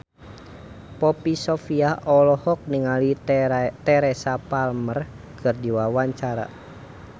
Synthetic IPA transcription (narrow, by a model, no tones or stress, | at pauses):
pɔpisɔfiahɔlɔhɔk̚niŋalit̪ɛɾɛsapalmər | kʰɨrdiwawaɲt͡ʃaɾa̰